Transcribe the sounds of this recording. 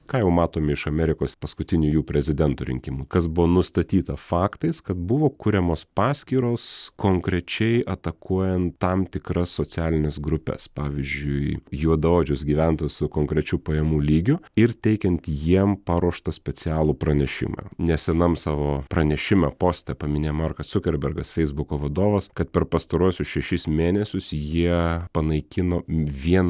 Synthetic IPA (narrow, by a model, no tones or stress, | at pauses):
kɑːjɛʊmɑːt̪oːmʲɪɪʃɐmʲɛɾʲɪkoːspɐskʊt̪ʲɪnʲʊjuːpʲɾʲɛzʲɪd̪ʲɛnt̪ʊɾʲɪ̰ŋʲkʲɪmʊkɐsbʊʋoːnʊst̪ɐt̪ʲiːt̪ɐfɑːkt̪ɐɪskɐt̪̚bʊʋoːkʊɾʲɛmoːspɑːsʲkʲiːɾoːskoːŋkɾʲɛt͡ʃʲɛɪʔɐt̪ɐkuɔjɛnt̪ːɐmt̪ʲɪkɾɐssoːt͡s̪ʲæːlʲɪnʲɛsɡɾʊpʲɛ̰spɑːʋʲɪzʲd͡ʒʲʊɪjuɔd̪ɐoːd͡ʒʲʊsɡʲiːʋʲænt̪osʊkoːŋkɾʲɛt͡ʃʲuːpɐjɛmuːlʲiːɡʲʊɪrt̪ʲɛɪkʲɛnt̪jiɛmpɑɾuɔʃt̪ɐsʲpʲɛt͡s̪ʲɪæːlˠuːpɾɐnʲɛʃʲɪ̰mɑ̰nʲɛsʲɛnɐmsɑːʋoːpɾɐnʲɛʃʲɪmɛpoːsʲt̪ʲɛpɐmʲɪnʲeːjmɐrkɐssʊkʲɛɾʲbʲɛɾɡɐsfʲɛɪzbʊkoːʋɐd̪oːʋɐskɐt̪̚pʲɛɾpɐst̪ɐɾuɔsʲʊsʃʲɛʃʲɪsmʲeːnʲɛsʲʊsjiɛpɐnɐɪkʲɪnoːʋʲiɛn